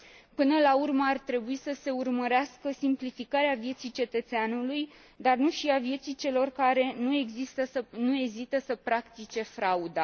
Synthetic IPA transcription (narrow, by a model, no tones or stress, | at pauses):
pɨnəlaurməart̪ɾe̞buisəse̞urməɾeaskəsimplifikaɾeavje̞t̪sijt͡ʃe̞t̪ət̪seanuluj | d̪arnuʃiavje̞t̪sijt͡ʃe̞lo̞rkaɾe̞nue̞ɡzist̪əsənue̞ɡzit̪əsəpɾakt̪it͡ʃe̞fɾaud̪a